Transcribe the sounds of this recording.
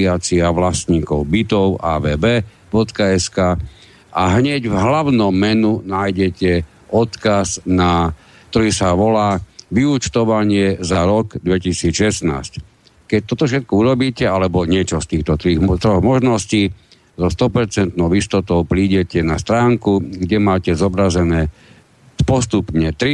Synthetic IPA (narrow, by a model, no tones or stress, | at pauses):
aːt͡siaʋlast̪ɲiːkɔʊbit̪ɔʊa̰ːʋɛːbɛː | bɔt̪kaɛskaː | ʔaɦɲɛɟvɦlaʊnɔmːɛnunaːjɟɛcɛ | ɔt̪kazna | k̚t̪ɔɾiːsaʋɔlaːʋiut͡ʃt̪ɔʋaɲɪɛzaaɾɔɡd̪ʋɛcisiːt͡sʃɛsna̰ːsc | kɛc̚t̪ɔt̪ɔfʃ̬ɛt̪̚kɔuɾɔbiːcɛalɛbɔɲɪɛt͡ʃɔst̪iːxt̪ɔt̪ɾit̪ɾɔɣmɔʒnɔsciː | zɔst̪ɔpɛɾt͡sɛnt̪nɔʊist̪ɔt̪ɔʊpɾiːɟɛcɛnast̪ɾaːŋkuɡɟɛmaːcɛzɔbɾazɛnɛː | pɔst̪upɲɛt̪ɾi